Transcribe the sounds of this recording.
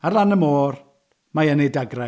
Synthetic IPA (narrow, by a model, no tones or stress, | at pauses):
arlˠanəmoːr | majənejdaɡra